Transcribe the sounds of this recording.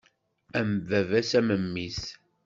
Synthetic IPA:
æmvævæsæməmːis

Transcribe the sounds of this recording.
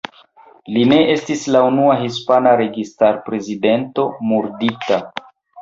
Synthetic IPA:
line̞ʔe̞stislaunuaɦispanaɾe̞ɡistaɾpɾe̞zide̞nto̞muɾdita

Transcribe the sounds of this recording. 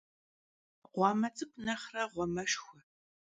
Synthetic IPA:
ʁʷɑːmɐt͡sʼɨkʷʰʼnɐχrɐʁʷɔmɐʂxʷʊ

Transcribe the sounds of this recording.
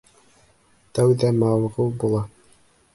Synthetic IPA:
t̪æwðæmɑwʁulˠbulˠɑ

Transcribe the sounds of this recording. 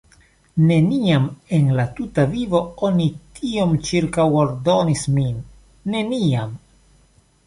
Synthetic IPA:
ne̞niame̞nlatutavivo̞o̞nitʰio̞mt͡ʃiɾkawoɾdo̞nisminː | e̞niam

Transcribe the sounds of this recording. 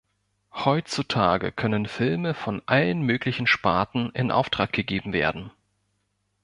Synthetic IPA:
hɔʏt͡sutʰaːɡə̰kʰœnənfɪlməfɔnʔalənmøːklɪçn̩ʃpaːɐtn̩ɪnʔa̰ʊftʁ̥aːk̚ɡ̥əɡeːbm̩vḛːɐdn̩

